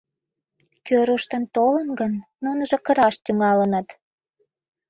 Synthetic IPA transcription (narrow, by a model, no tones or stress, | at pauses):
køɾuʃt̪ənt̪olənɡənːunəʒŏkəɾɑʃt̪yŋɑlənət̪